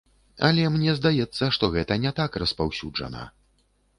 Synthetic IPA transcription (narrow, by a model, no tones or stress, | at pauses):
ɐ̰lʲɛmnʲɛzd̪ajɛt̪sːɐʂt̪ɔɣɛt̪ɐnʲɛt̪akrɐspawsʲuʐɐ̰nɐ̰